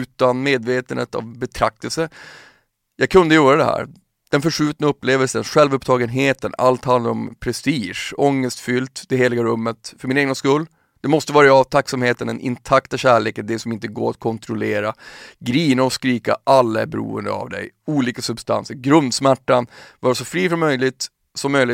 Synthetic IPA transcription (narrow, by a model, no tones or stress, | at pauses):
ʉ̟ːt̪anmeːd̪veːt̪ənhḛːt̪a̰vbɛt̪ʰɾak̚t̪əlsə | jɑːɡkʰɵnd̪əjœːɾad̪ɛɦæ̰ːɾ | d̪̥ɛnfœʂʉ̟ːt̪naɵpːleːvəlsənɧɛlvɵpt̪ʰɑːɡənɦeːt̪əna̰lt̪hand̪aɾɔmpʰɾɛst̪iːʂɔŋːəst̪fʏlt̪d̪ɛɦeːlɪɡaɾɵmːət̪fœɾmɪneːɡnaskɵlː | d̪̥ɛmɔst̪əvɑːɾaːvt̪ʰakːsamheːt̪ənɛnʔɪ̰nt̪ʰakt̪aɕæːɭeːkənd̪ɛsɔmɪnt̪əɡo̰ːɾat̪̚kʰɔnt̪ʰɾʊleːɾaɡɾiːnaɔskɾiːka̰ʔalːaæ̰ɾbɛɾṵːə̰nd̪ə̰a̰vd̪ɛ̰juːliːkasɵbst̪a̰nsəɾɡɾɵnd̪smæʈːanvɑːɾasɔfɾiːfɔmːœjlɪɡt̪ | sɔmːœjlɪ